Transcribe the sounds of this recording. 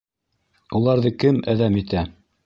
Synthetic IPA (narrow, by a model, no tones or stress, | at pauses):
ulˠɑɾðɤkɘmæðæmit̪æ